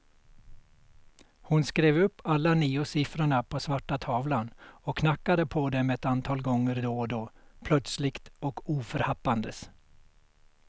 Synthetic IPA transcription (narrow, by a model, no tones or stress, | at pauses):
hʊnskɾeːvɵpːalːaniːʊsɪfɾəɳapʰɔsvaʈːat̪ʰɑːvlanɔkʰːnakːad̪əpʰɔd̪ɛmɛɛt̪ant̪ʰɑːlɡɔŋːəɾd̪oːd̪oːpʰlœt̪slɪkt̪ɔkuːfœɾhapːand̪əs